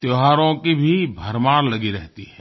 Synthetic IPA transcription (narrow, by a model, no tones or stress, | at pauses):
t̪joɦaːɾõkibʱibʱɐɾmaːɾlɐɡiɾɛɦt̪iɦɛ̃ː